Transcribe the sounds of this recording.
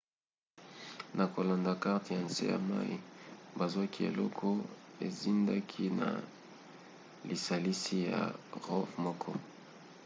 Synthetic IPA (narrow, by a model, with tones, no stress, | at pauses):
na˨ko˨la˨nda˨ka˦ʁtja˨nsḛ˦ja̰˨ma̰˦ḭ˦ba˨zu˦a˦ki˦ḛ˨lɔ˦kʰɔ˦e˨zi˦nda˦kʰi˦na̰˨ | li˨sa˨li˦si˦ja̰˨ʁɔ˦fmɔ˦kʰɔ˦